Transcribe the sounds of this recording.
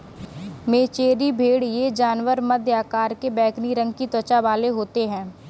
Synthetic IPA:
meːt͡ʃeːɾibʱeːɽjed͡ʒaːnwəɾməd̪jaːkaːɾkebɛːkniɾə̃ŋɡ̚kit̪ət͡ʃabaːleɦoːt̪eɦɛ̃ː

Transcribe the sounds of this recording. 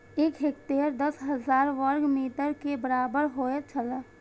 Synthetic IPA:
eːkɦekt̪eːɾd̪əsɦəzaːɾʋəɾɡmiːʈəɾkebəɾaːbəɾɦoet͡ʃʰələ

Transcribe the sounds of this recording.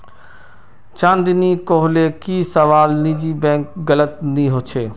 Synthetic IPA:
t͡ʃãːnd̪ɪnikoːɦlekiːsɐʋaːlniːd͡ʑibɛ̃ːŋkɡɐlət̪̚nĩɦot͡ʃʰeː

